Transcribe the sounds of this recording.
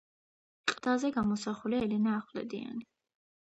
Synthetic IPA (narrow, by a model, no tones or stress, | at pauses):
qʼd̪̥azɛɡamɔsaχuliaɛlɛnaːχwlɛ̰d̪ia̰ni